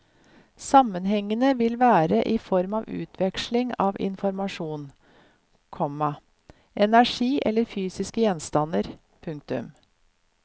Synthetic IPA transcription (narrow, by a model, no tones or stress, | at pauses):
sɑmənɦɛŋːənəʋɪlʋæːɾəʔɪfɔɾmɑːʋʉ̰ːt̪ʰʋɛkʂlɪŋɑ̰ːʋɪ̰nfɔɾmɑʂuːn | kʰɔmɑ | ʔɛnæʂiːʔɛlːəɾfyːsɪskəjɛnst̪ɑnəɾ | pʰʉŋk̚t̪ʉ̰m